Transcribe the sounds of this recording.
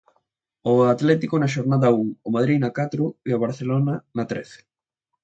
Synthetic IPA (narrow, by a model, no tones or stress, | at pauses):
ʊat̪lɛt̪ikonɐʃ̬oɾnaðɐuŋomað̞ɾinɐkat̪ɾʊeaβaɾθelonɐnɐt̪ɾɛ̰θe̥